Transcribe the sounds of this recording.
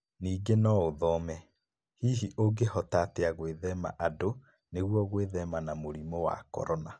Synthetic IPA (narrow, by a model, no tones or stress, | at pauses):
niːɡenɔoðɔmɛ | hiːɦiʔoɡehɔtateaɣweðɛma̰ʔado | neɣwɔɣweðɛmanamoɾimɔwa̰kɔ̰ɾɔna